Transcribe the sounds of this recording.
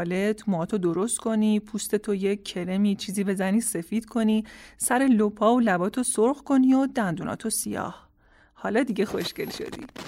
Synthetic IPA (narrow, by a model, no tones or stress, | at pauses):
le̞t̪ʰmɒːt̪ʰod̪o̞ɾost̪kʰo̞nipʰust̪e̞t̪ʰojee̞le̞miːt͡ʃʰiːziːbe̞zæniːse̞fiːd̪̥kʰo̞nisæɾe̞lopʰɒːolæbɒːt̪ʰosoɾɣko̞niod̪ænd̪uːnʔɒ̰ːt̪ʰosijɒ̰ːh | hɒːlɒːd̪iɟe̞xo̞ʃce̞̰lʃo̰d̪ḭ